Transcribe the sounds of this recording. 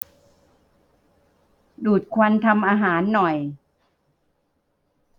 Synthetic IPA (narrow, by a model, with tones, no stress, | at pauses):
duː˨˩t̪̚kʰwa˧nt̪ʰa˧mʔaː˧ɦaː˩˦nːɔ˨˩j